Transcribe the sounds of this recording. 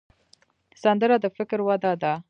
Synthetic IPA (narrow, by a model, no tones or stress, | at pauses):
sand̪əɾad̪əfɪkɾwad̪ɑd̪a